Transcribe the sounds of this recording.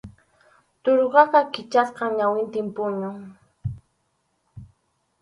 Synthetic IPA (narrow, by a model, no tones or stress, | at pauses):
t̪oɾɢɑqɑkɪt͡ʃasqɑŋɲawɪnt̪ɪmpʊɲʊŋ